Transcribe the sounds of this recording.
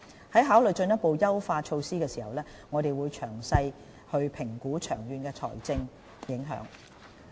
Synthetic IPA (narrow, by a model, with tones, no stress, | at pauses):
hɐ˨˥jɦaː˨˥wlɵ˨jt͡ʃɵ˧njɐ˥t̚po˨wjɐ˥wfaː˧t͡ʃʰo˧wsiː˥kɛː˧siː˨˩hɐ̰˨˩wlɛː˥ | ŋɔː˨˧ɾe˨jwuː˨˧jt͡ʃʰœː˨˩ŋsɐ˧j | hɵ˧ɥpʰɪ˨˩ŋkuː˨˥t͡ʃʰœː˨˩ŋjyː˨nkɛː˧t͡sʰɔ̰ː˨˩jt͡sɪ˧ŋ | jɪ˨˥ŋɦœ̰ː˨˥ŋ